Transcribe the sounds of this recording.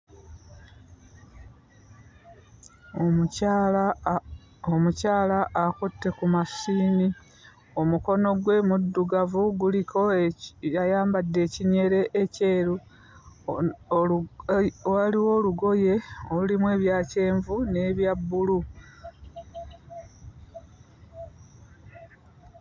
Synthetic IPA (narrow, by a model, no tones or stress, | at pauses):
omucaːlaʔːkutːe̞kumasiːni | o̞muko̞no̞ɡwe̞ːmudːuɡavuɡulikʰo̞jajaːmbadːe̞ːciɲe̞ɾe̞ʔːce̞ːɾu | waliwo̞ːluɡo̞je̞oulimwe̞ːβjaːce̞ːɱvune̞βjabːulu